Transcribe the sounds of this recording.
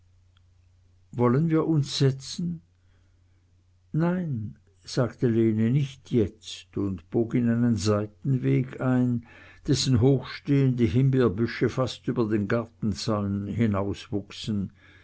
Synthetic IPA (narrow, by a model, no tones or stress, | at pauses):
vɔlənviːɐʔʊnsz̥ɛt͡sn̩ | naɪn | z̥aːɡtəleːnənɪçtʰjɛt͡stʊntb̥oːɡɪnaɪnənzaɪtn̩veːɡaɪnd̥ɛsn̩ɦoːxʃteːəndəɦɪmbeɐbʏʃəfastyːbɐdeːnɡaɐtn̩t͡salnhɪnaʊsvʊksn̩